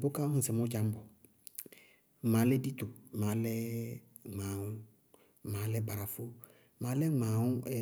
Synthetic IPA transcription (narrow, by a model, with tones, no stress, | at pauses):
bo˦kã˦ĩ˨sɛ˨mɔ̃˦d͡ʒa˨˦m˦bɔ˨ | mã˨˦lɛ˦di˦t̪o˨mã˨˦lɛ˦ | ŋ͡mã˨ŋũ˦˨ | mã˨˦lɛ˦ba˨ɾa˨fo˦ | mã˨˦lɛ˦ŋ͡ma˨wũ˦ɛ˨